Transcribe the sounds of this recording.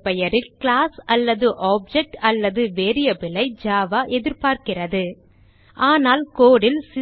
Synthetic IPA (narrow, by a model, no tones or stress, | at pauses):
pɛjɐɾɯkɭaːsɐlːɐðɯʔaːb̚d͡ʒɛk̚ʈɐlːɐðɯʋeːɾɪjɐpɪlɐɪd͡ʒaːʋaːʔɛðɪɾpaːɾkɪrɐðɯ | ʔaːnaːlkoːɽɪlsɪ